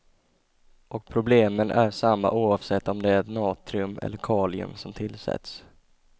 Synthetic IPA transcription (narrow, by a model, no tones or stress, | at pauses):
ʔɔk̚pʰɾʊbleːmənʔæʂamːa̰ʔuːɑːvsɛt̪ːɔmd̪ɛæt̪nɑːt̪ʰɾɪɵmɛ̰lːəɾkʰɑːlɪɵ̰msɔmt̪ʰɪlsɛ̰t̪s